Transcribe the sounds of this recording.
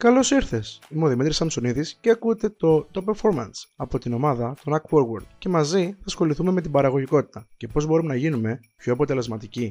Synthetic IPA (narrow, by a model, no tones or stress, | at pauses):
kɐlo̞siɾθe̞simoðimit̪ɾisɐmsoniðisceɐkut̪e̞t̪o̞t̪o̞pe̞ɾfo̞ɾmɐnsɐpo̞t̪ino̞mɐðɐt̪o̞nɐkwoɾwoɾd̪̥ce̞mɐziθɐsxo̞liθume̞met̪ibɐɾɐɣo̞ʝiko̞t̪i̥t̪ɐce̞po̞zbo̞ɾumenɐʝinume̞ | pço̞ɐpo̞t̪e̞le̞zmɐt̪ici